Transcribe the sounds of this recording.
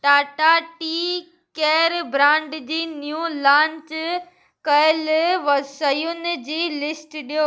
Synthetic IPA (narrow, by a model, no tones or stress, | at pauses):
ʈaːʈaʈiː | keːɾbɾãːɳɖd͡ʑiːnjulãːɲt͡ɕ | kɐəlʋɐsɐjʊnɪ̆d͡ʑiːlɪsʈɗijoː